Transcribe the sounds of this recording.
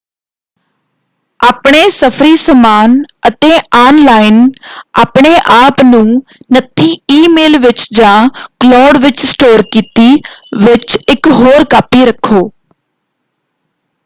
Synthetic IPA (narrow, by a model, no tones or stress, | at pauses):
aːpɳeːsəpʰɾiːsəmaːnət̪eːaːnlaːɪnaːpɳ̃eːʔaːpnũːnət̪ːiːiːmeːlʋɪt͡ʃd͡ʒãːklɔːɖʋɪt͡ʃsʈoːɾkiːt̪iːʋɪt͡ʃɪkɦoːɾkaːpiːɾəkʰːoː